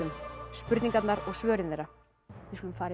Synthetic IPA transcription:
ʏmspʏɾt̪niŋkat̪naɾɔɣsvœːɾɪnðɛɾa | vɪskʏlʏmfaːɾ

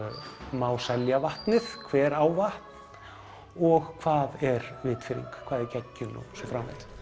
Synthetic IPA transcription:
maːwsɛljavaht̪nɪθkʰvɛːɾaːwvaht̪n̥ | ɔɣkʰv̥aːðɛɾvɪːt̪fɪɾḭŋkkʰaːðɛɾcɛcːʏnɔ̰sɔfɾaːmvɛ̰t̪

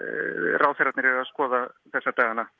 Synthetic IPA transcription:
rawθɛɾat̪nɪɾɛvɪaskɔːðaθɛsːat̪aːɣanːa

